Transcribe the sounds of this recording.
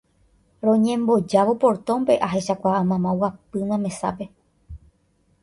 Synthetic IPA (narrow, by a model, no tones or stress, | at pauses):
ɾõ̞ɲẽ̞mbo̞d͡ʒaʋo̞po̞ɾt̪õ̞mpe̞ʔaɦe̞ʃakʷaamãmãwap̚ɨmãmẽ̞sa̰pe̞